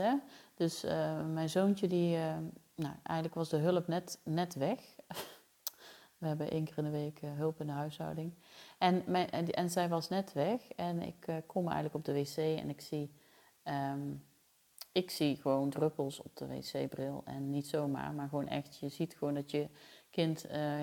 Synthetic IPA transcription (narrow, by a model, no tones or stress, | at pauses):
ɛd̥øsəmɛjnzownt͡ʃədiə | nowʔɛ̰jɣən̩tləkʋɑzdəɦɵləpnɛtnɛtʋɛx | ʋəɦɛbəʔḛjŋkɪːrɪndəʋejkɦɵlˠpɪndəɦœɥsɦɑ̰wdɪŋʔɛnmɛɛnzɛjʋɑsnɛtʋɛxɛnɪ̰kkʰːɔmɛ̰jɣəntləkɔb̚dəʋesejɛ̰nɪksi | ə | ɪksiɣəʋowndrøpəlˠsɔ̰p̚d̥ə̰ʋḛjsḛjbrɪlˠɛ̰nːitsowma̰ːɹmaːɹɣʋownʔɛ̰xtjəzitxəʋowndɑtjəkɪnt